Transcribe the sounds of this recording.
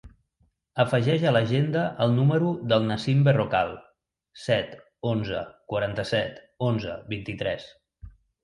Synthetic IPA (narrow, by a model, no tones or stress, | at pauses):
əfəʒɛʒələʒend̪əʔəlˠnuməɾuðəlˠnəsimbərokalˠ | sɛt̪ | onzə̰kwəɾant̪əsɛt̪ | onzə̰βint̪it̪ɾɛs